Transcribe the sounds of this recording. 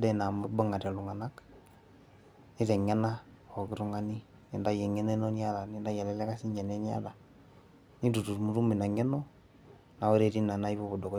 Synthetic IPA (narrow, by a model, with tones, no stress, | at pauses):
dɛ˦˨na˨mu˦ba˦ŋa˨tɛ˨lu˨ŋa˨na˦k | ni˦ɾɛ˨ŋɛ˦na˦ | ɔ˨kɪ˦ɾu˦ŋa˨ni˦ | ni˨nda˦jɛ˨ŋɛ˦nɛ˦nɔ˦ni˦a˦da˨nɪ˦nda˦jɛ˨lɛ˦lɛ˦ka˦si˦ɲd͡ʒɛ˨nɛ˦n˦a̰˦da˨ | ni˦du˨tu˨ɾmu˨˦ɾu˦mi˨na˨ŋɛ˦nɔ˦ | na˨wɔ˦ɾe˨ɾi˦na˨na˦i˦βɔ˦bɔ˨dɔ˨k